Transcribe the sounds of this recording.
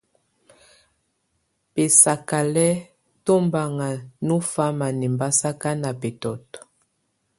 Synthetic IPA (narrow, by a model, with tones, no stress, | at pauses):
pe˨sa˨ka˨lɛ˦ | to˦mba˨ŋa˨nu˦fa˦ma˨ni˨mba˦sa˦ka˦na˨pe˨tɔ˨tɔ̥˨